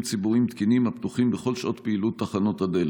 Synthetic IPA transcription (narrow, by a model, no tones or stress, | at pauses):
mt͡sibuʁimt̪kinimapt̪uχimbeχo̞lʃʔo̞t̪peilut̪ːaχano̞t̪hadel